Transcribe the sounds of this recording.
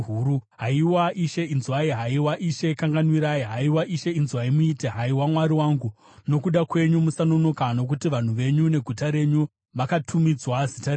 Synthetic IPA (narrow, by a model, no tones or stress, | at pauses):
uɾuɦaiwaʔiʃeinzuaiɦaiwaʔiʃe̞kaŋɡanwiɾaiɦaiwaʔiʃe̞inzuaimuiteɦaiwamwaɾiwaːŋɡu | no̞kuɗakwe̞ɲumusano̞no̞kano̞k̬utiʋan̤uʋe̞ɲune̞ɡʱutaɾe̞ɲu | ʋakatʰumid͡zwazitare